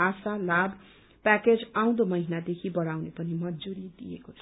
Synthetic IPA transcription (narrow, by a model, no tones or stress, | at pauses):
asalab | paked͡zaw̃d̪omʌɦinad̪ekʰibʌɽawnepʌnimʌnd͡zuɾid̪ijekot͡sʰʌ̥